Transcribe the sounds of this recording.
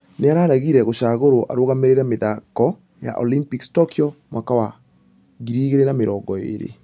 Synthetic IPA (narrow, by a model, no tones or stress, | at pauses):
neaɾaːɾaɣiɾɛɣoʃaɣoɾoʔa̰ɾoɣameɾeɾameðakɔ | ja̰ʔolimpikstɔkiɔmwaːkawa | ɣiɾiɣeɾenameɾɔːɡɔḛɾḛ